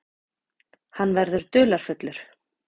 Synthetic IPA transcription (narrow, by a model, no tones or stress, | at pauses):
hanːvɛɾðʏɾ̥t̪ʏːlaɾ̥fʏt̪lʏɾ̥